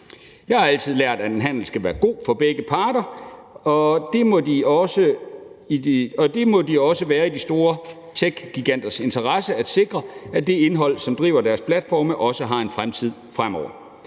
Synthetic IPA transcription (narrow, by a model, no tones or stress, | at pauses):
jɑ̈hɑ̈æl̰t͡sʰið̞̰ˠlæɐ̰d̥æd̥enɦæn̰l̩sɡ̥æʋæːɐɡ̥o̝̰ːfɒ̽b̥eɡ̥əpʰɑ̈ːɾɐ | ɒ̽d̥e̝mɒ̽diɒ̽səiɒ̽d̥e̝mɒ̽d̥iɒ̽səʋæːɐid̥isd̥o̝ːɐ | t͡sʰeɡ̥ɡ̥iɡ̥æn̰d̥ɐse̝nt͡sʰɐʁasəæd̥se̝ɡ̥ʁɐæd̥e̝e̝nɦɒ̽l̰sɒ̽md̥ʁḭːʊ̰ɐdæɐspʰlæd̥fɒ̰ːməʔɒ̽səɦɑ̈e̝nfʁamt͡sʰið̰ˠfʁamɒ̰ʊ̰ɐ